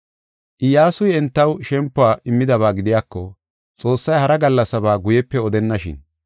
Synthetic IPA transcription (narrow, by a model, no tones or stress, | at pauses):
ʔɪjaːsʊjɛnt̪ːɐwʃɛmpːʊaːʔɪmːɪd̪ɐβaːɡɪd̪ɪjaːkːɔ | t͡sʼo̞ːsːɐjhɐɾɐɡɐlːɐsɐbaːɡʊjɛpːɛɔd̪ɛnːɐʃɪ̰n